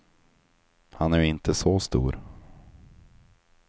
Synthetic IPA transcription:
hanæɾɪnt̪ʰəsɔst̪ṵːɾ

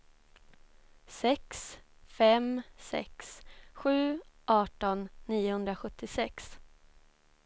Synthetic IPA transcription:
sɛksfɛmsɛ̰ksɧʉ̟ːʔɑːʈɔnːiːʊhɵnd̪ɾaɧɵt̪ʰːɪsɛks

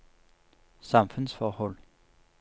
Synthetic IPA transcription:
sɑ̈mfʉnsfɒːhɔl

